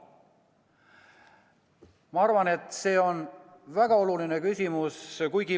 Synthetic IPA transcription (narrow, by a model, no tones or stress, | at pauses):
mɑɑrvɑne̞t̪ˑse̞ːo̞n | væɡ̥ɑo̞luline̞kysʲimuskujɡi